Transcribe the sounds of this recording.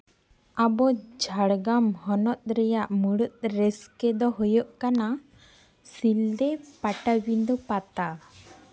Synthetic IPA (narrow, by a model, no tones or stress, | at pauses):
abɔd͡ʒʱaɽɡamhɔnɔt̪̚ɾɛjaʔmuɽut̪̚ɾɛskɛd̪ɔɦujɔʔkana | sild̪ɛpaʈabind̪upat̪a